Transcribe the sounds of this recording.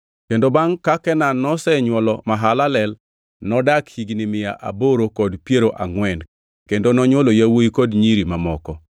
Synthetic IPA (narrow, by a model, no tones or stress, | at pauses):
kendobaŋkakɛnanːɔsɛɲwɔlɔmaɦalalɛl | nɔdakhiɡnɪmɪja̰ʔa̰boɾokɔdpjeɾoʔaŋwɛn | kendonɔɲwolojawoikɔdɲiɾimamɔkɔ